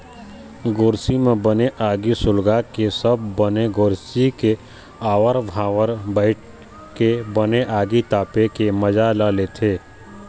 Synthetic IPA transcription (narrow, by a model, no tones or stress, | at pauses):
ɡoːɾsimẽbəneʔaːɡisʊlɡakesəbːəneɡoːɾsike | aːʋəɾʋʱaːwəɾbəɪʈ | kebəneʔaːɡit̪aːpekeməd͡ʒalalet̪ʰeː